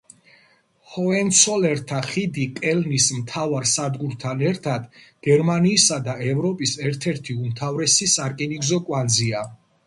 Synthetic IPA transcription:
hɔɛnt̪sʰɔlɛɾt̪ʰaχid̪ikʼɛlnismt̪ʰavaɾsad̪ɡuɾt̪ʰanɛɾt̪ʰad̪ɡ̥ɛɾmaniːsad̪aɛvɾɔpʼisɛɾt̪ʰɛɾt̪ʰiumt̪ʰavɾɛsisaɾkʼɛniɡzɔkʼwanzia

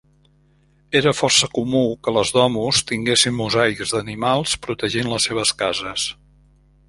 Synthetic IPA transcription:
eɾəfɔrsəkumukələzðɔmust̪iŋɡesinːuzajkzd̪ənimalˠspɾut̪əʒinləsːeβ̞əskazəs

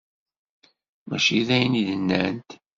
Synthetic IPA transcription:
mæʃiðæjniðənːænt̪

